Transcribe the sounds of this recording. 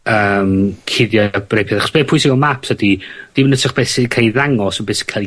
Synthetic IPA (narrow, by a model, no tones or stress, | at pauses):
əːmkʰɪðjabrejpʰjɛðaχɔ̥sb̥eːpʰʊjsɪɡɔmapsədid̥imənətʰəχb̥ɛsikʰejðaŋɔsənbɛːskʰal